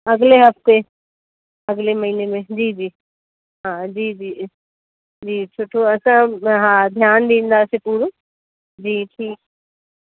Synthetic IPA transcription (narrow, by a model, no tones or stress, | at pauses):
ɐɡleɦɐft̪e | ɐɡlemɐɦiːnemẽd͡ʑiːd͡ʑiː | ɦãːd͡ʑiːd͡ʑiː | d͡ʑiːt͡ɕʰoːʈʰoɐsãɦãːd̪ʱjaːnd̪ĩːn̆d̪aːsepuːɾo | d͡ʑiːʈʰiːk̚